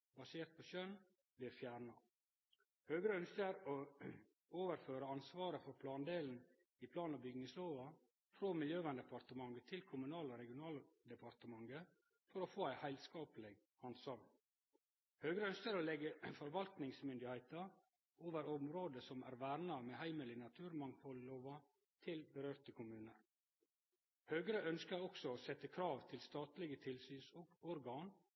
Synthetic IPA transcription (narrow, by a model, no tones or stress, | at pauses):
bɑseːɾt̪̚pʰɔɕœn | bliːɾfjæːɾɳɑ | høːɡɾəœnskəɾo | oːʋəɾføːɾəɑnsʋɑːɾəfɔɾpʰlɑːnd̪eːln̩ | ipʰlɑːnɑbʏɡnɪŋsloːʋɑ | fɾoːmɪljøːʋænd̪ɛpʰɑɾt̪əmɑŋɡət̪ʰɪlkʰʊmʉnɑːloɾɛɡɪʊnɑːld̪əpʰɑɾt̪əmɑŋɡə | fɔɾofoːæɪhæɪlskɑːplɪɡ | ɑnsɑm | høːɡɾəœnskəɾoːlɛɡəfɔɾʋɑlt̪nɪŋsmʏnd̪ɪhæɪt̪ɑ | oːʋəɾɔmɾoːd̪əsɔmæ̰ːɾʋæːɾnɑmeːhæɪməlɪnɑt̪ʰʉːɾmɑŋpʰɔlːoːʋɑ | t̪ʰɪlbəɾøːɾt̪əkʰʊmʉːnəɾ | høːɡɾəʔœnskəɾɔksɔoːsɛt̪ːəkʰɾɑːʋt̪ʰɪlst̪ɑːt̪lɪɡət̪ʰɪlsyːnsɔɡɔɾɡɑːn